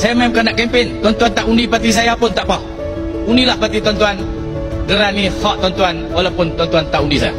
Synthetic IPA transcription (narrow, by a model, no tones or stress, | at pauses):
sajamamkanaʔkɛmpɛnt̪ɔnt̪uant̪aʔundipat̪̬is̬ajapʊnt̪aʔpa | unilahpat̪it̪ɔnt̪uan | ɡəɾanihɔʔt̪ɔnt̪uanwalapʊnt̪ɔnt̪uant̪aʔundisa̰ja̰